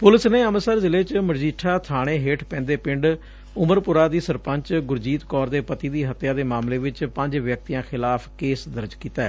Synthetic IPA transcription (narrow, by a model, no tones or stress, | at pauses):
pʊlɪsneːəməsəɾzɪleːt͡ʃməɾd͡ʒiːʈʰːaːt̪ʰaːɽ̃eːɦeːʈʰpɛ̃ːnd̪eːpɪɳɖ | ʊməɾpʊɾaːd̪iːsəɾpəɲt͡ʃɡʊɾd͡ʒiːt̪kɔːɾd̪eːpət̪iːd̪iːɦət̪jaːd̪eːmaːmleːʋɪt͡ʃpəɲd͡ʒʋjək̚t̪ijãːxʰɪlaːpʰkeːsd̪əɾd͡ʒkiːt̪aːɛː